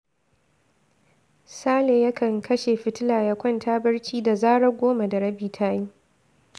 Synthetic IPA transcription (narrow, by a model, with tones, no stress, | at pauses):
saː˦leː˨jɐ˦kʰɐ˨ŋkʰɐ˦ʃe˨ɸɪ˦tɪ˦laː˨jɐ˨kʷɔ˦ntʰaː˦bɐ˦ɽt͡ʃiː˦da˨zaː˦ɽɐ˦ɡʷoː˦ma˨dɐ˨ɽɐ˦biː˨tʰaː˦ji˦